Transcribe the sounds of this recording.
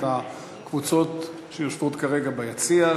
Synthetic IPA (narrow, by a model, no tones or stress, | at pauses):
a | kvut͡so̞t | ʃejoʃvot̪kaʁeɡabajat͡sia